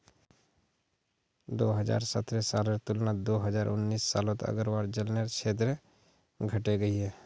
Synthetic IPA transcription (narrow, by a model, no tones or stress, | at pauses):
d̪oːɦəd͡ʒa̰ːɾsət̪ɾesaːleɾt̪ʊlnad̪oːɦɐd͡ʒaːɾʔʊ̰nːiːsːa̰ːlõt̪ɐ̰ɡəɾwaːɾd͡ʒɐlneɾt͡ʃʰeːt̪̬ɾ | ɡʱɐʈeɡɐiɦɛː